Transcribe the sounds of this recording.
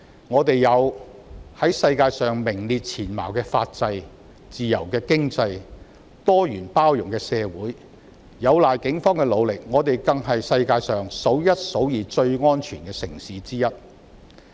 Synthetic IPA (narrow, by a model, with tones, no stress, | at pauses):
ŋɔː˨˧t̪e˨jjɐ˨˧w | hɐ˨˥jsɐ˧jkaː˧jsœː˨ŋmɪ˨˩ŋliː˧t̚t͡sʰiː˨˩nma̰ː˨˩wkɛː˧faː˧t̚t͡sɐ˧j | t͡siː˨jɐ˨˩wkɛː˧kɪ˥ŋt͡sɐ˧j | t̪ɔː˥jyː˨˩npaː˥wjʊ˨˩ŋkɛː˧sɛː˧wuː˨˥j | jɐ˨˧wlaː˨jkɪ˨˥ŋfɔː˥ŋkɛː˧lo˨˧wlɪ˨k̚ŋɔː˨˧t̪e˨jkɐ˨ŋɦɐ˨jsɐ˧jkaː˧jsœː˨˩ŋso˨˥wjɐ˥t̚so˨˥wjiː˨˩t͡sɵ˧ɥŋɔː˥nt͡ʃʰyː˨˩nkɛː˧sɪ˨˩ŋsiː˨˥t͡siː˥jɐ˥t̚